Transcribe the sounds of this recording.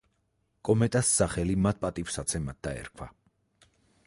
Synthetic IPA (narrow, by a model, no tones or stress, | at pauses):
kʼɔmɛt̪ʼasːaχɛlimat̪̚ʰpʼat̪ʼifsat̪sʰɛmat̪̚d̪aɛ̰ɾkʰwa̰